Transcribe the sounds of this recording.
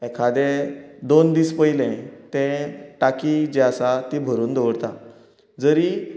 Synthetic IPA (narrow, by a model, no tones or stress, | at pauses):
ɛkʰad̪ed̪ond̪iːspəilɛ̃t̪ɛ̃ʈakid͡ʑɛasat̪ibʱəɾuːnd̪oʋəɽt̪a̰ | d͡zəɾi